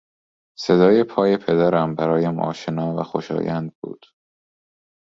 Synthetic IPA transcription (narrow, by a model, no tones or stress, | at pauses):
se̞d̪ɒːjepʰɒːjepʰe̞d̪æɾæmbæɾɒːjæmʔɒ̰ːʃenɒːvæ̰xoʃɒ̰ːjænd̪̚bṵːd̪̥